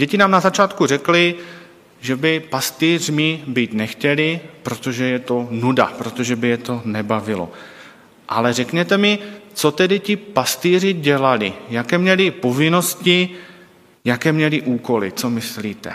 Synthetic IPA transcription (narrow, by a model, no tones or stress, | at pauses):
ɟɛcɪnaːmnazat͡ʃaːt̪kurɛklɪ | ʒɛbɪpast̪iːr̝mɪbiːt̪nɛxcɛlɪpɾo̞t̪o̞ʒɛjɛt̪o̞nuda̰pɾo̞t̪o̞ʒɛbɪjɛt̪o̞nɛbavɪlo̞̰ | ʔa̰lɛrɛkɲɛt̪ɛmɪt͡so̞t̪ɛdɪcɪpast̪iːrɪɟɛlalɪjakɛːmɲɛlɪpo̞vɪno̞scɪ | jakɛːmɲɛlɪʔuːko̞lɪ̰t͡so̞mɪsliːt̪ɛ̰